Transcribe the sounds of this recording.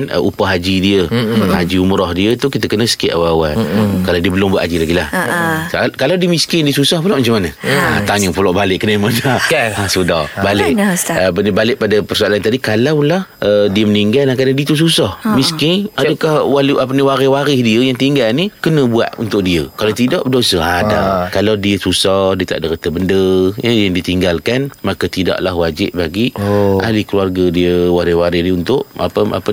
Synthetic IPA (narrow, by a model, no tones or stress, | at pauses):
nə̰ʔupaɦad͡ʒidiəa̰d͡ʒiumɾɔhdiət̪ukit̪əkənəsə̥ka̰ʔawawa̰nkalawdiəbəlʊmbuat̪ʔad͡ʒilaɡilahakalawdiəmiskɪndiəsusahpəlɔʔmat͡ʃamːanəa̰t̪aɲəpəlɔʔbalɪʔ̚kənəməd͡ʒaasudɔ̰balɪʔəbənibalɪʔpadapərsualant̪adikalawlahədiəməniŋɡaldaŋkadandiət̪us̬usahmiskɪnadəkahwalapaniwaɾɪwaɾɪhdiəjaŋt̪iŋɡalnikənə̃bua̰t̪̚ṵnt̪ʊʔ̚diəkalawt̪idaʔbədosəada̰kalawdiəsusɔdiət̪a̰ʔdəɾət̪əbəndəjəjaŋdit̪iŋɡalkanmakat̪ida̰ʔla̰hwad͡ʒɪ̰p̚baɡiʔa̰likəluarɡadiəwaɾɪhwaɾɪhniunt̪ʊʔa̰pəa̰pə